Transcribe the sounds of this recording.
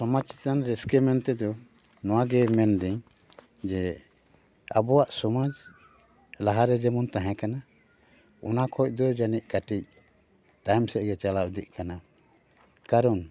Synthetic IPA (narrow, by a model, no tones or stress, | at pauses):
sɔmai̥t̪anɾɛskɛmɛnt̪ɛd̪ɔ | nɔwaɡɛmɛnd̪iɲ | d͡ʒɛ | a̰bɔwaʔsɔmad͡ʒ | laɦaɾɛd͡ʒɛmunt̪aɦɛ̃kana | ɔ̰nakʰɔc̚ˀd̪ɔd͡ʒanic̚kaʈic̚ | t̪ajmsɛʔ̚ɡɛt͡ʃalaud̪iʔ̚kana | kaɾɔn